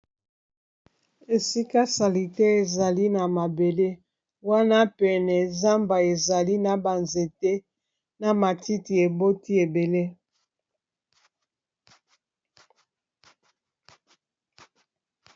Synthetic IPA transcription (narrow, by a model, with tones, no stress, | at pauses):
e˨si˦ka˦sa˨li˨te˦e˨za˨li˦na˨ma˨be˨le˦ | wa˦na˦pɛ˨nɛ˨za˦mba˨e˨za˨li˦na˨ba˨nze˨te˦ | na˨ma˨ti˦ti˨e˨bo˦ti˦e˨be˨le˦